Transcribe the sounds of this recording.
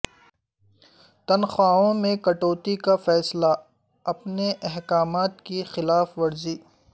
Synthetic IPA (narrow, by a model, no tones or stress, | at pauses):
t̪ɐnxwaːõmẽkɐʈoːt̪ikafɛːsla | ɐpneʔɛɦkaːmaːt̪kixɪlaːfʋɐɾziː